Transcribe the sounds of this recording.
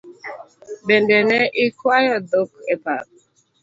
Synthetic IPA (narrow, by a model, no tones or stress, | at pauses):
bendɛnɛʔɪkwajɔd̪okɛpa̰ɾ